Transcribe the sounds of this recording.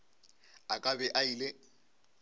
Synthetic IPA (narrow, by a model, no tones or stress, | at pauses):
akʼabɛʔaile